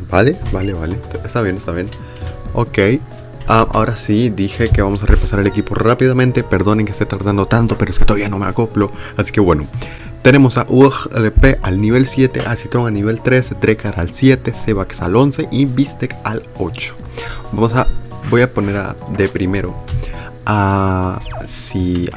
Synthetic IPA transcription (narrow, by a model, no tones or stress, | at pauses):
b̥alebale̞βalet̪est̪aβje̞nest̪aβjen | o̰kej | aʔa̰o̞ɾasid̪ixe̞ke̞βamo̞sarepasaɾale̞kipo̞rapið̞amẽnt̪epe̞ɾðo̞neŋkest̪e̞t̪aɾðand̪o̞t̪ant̪o̞peɾoesket̪o̞aβiano̞meako̞plo̞asi̥ke̞βwe̞no | t̪e̞ne̞mo̞saʔuexelepeʔalniβ̞e̞lsje̞t̪e̞̰ʔasit̪ɾo̞ŋaniβe̞lt̪ɾe̞set̪ɾe̞kaɾalsje̞t̪e̞seβaksalo̞nse̞ʔibist̪ekal | ot͡ʃo̥ | bamosabo̞japo̞ne̞ɾa̰ðe̞pɾime̞ɾo̞ | a | si